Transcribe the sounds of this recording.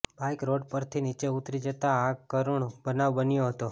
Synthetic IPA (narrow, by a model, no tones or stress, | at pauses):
bajkɾoɖpəɾt̪ʰinit͡ʃeut̪ɾid͡ʒət̪aakəɾuɳbənaʋbənjoɦət̪o